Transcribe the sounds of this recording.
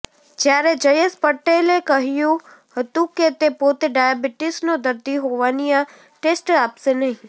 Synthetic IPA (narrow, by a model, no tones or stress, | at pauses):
d͡ʒjaːɾed͡ʒɐjespəʈeːlekɐɦijũ | hɐt̪ukːet̪epoːt̪eɖaːjabɪʈɪsnod̪ɐɾd̪iɦoːʋaːnijã | ʈeːsʈaːpsenɐɦĩ